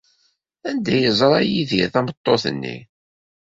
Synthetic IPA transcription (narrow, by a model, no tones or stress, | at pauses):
ænd̪æjəzˤɾˤɑjiðḭɾθæmət̪ˤːoθə̰nːḭ